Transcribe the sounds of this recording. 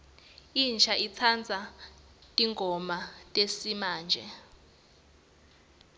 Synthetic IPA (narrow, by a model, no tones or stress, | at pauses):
int͡ʃʰaʔit͡sʰand͡zʱa | tʼiŋɡʱɔmatʼesimaːnd͡ʒʱɛ